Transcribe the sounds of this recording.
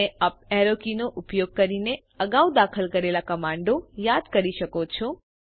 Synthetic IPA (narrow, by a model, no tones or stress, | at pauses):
eaːp̚ɛɾokinoʔʊpjoɡ̚kəɾine | əɡaud̪akʰəlkəɾelakəmãɳɖojad̪kəɾiʃəkot͡ʃʰo